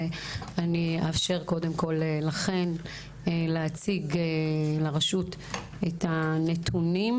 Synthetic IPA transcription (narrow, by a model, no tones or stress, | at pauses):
aniafʃe̞ʁko̞demko̞llaχe̞n | leat͡siɡelaʁaʃut | etanetʰunim